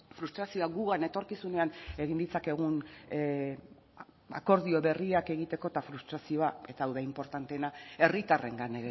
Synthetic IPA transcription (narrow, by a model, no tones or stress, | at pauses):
fɾust̪ɾasio̞aɡuɣane̞t̪o̞ɾkisune̞ane̞ɣind̪it͡sake̞ɣ̞un | a̰ko̞ɾðio̞βe̞riake̞ɣ̞it̪e̞ko̞t̪afɾust̪ɾasio̞ae̞t̪aːwðaimpo̞ɾt̪ant̪e̞nae̞rit̪are̞ŋɡaneɣ